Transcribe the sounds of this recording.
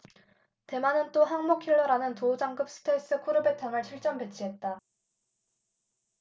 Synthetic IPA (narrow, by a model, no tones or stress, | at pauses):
te̞manɯnt͈oɦaŋmokʰiɭːʌɾanɯntoud͡ʑaŋɡɯp̚s͈ɯ̥tʰes͈ɯkʰuɾɯbe̞tʰaŋɯɭɕʰiɭt͡ɕ͈ʌmpe̞t͡ɕʰiɦe̞t̚t͈a